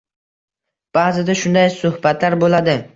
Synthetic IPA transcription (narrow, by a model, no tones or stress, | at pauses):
b̥aːzɪd̪aʃʊnd̪ajsʊhbat̪laɾbolad̪ɪ